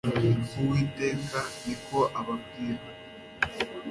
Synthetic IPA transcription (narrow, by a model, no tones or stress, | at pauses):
fuwiːteːkanikoʔaβabɡiːɾa